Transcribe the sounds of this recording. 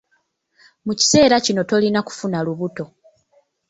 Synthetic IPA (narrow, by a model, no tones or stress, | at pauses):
muci̥se̞ːɾacino̞to̞linaku̥funaluβuto̞